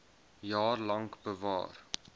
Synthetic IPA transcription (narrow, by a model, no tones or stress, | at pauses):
jɑːrlɐŋkbəvɑ̰ːr